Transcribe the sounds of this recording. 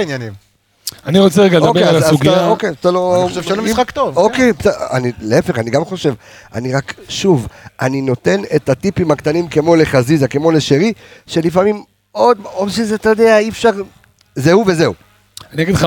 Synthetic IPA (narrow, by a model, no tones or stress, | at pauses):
injanim | aniʁot͡seeɡaled̪obeealsazuɡiokejazt̪alooevmiakt̪ovokepsa̰nileefe̞χaniɡamχo̞ʃe̞v | a̰niʁakʃuvʔanino̞t̪e̞netat̪ipimakt̪animke̞mo̞le̞χazizake̞mo̞le̞ʃeʁiʃe̞lifamim | od̪odʃezeat̪ajod̪e̞aiefʃaʁ | zeuve̞ze̞u | aniaɡid̪χa